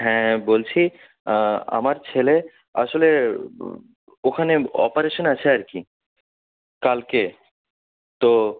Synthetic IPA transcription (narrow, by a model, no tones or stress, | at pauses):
ɦɛ̃bolt͡ɕʰi | a̰maɾt͡ɕʰele | a̰ʃole | okʰaneɔ̰paɾeʃonat͡ɕʰeaɾki | kalke | t̪o